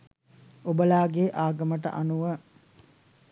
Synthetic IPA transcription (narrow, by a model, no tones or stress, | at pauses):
obəlaːɡeʔaːɡəməʈə̰ʔanuʋə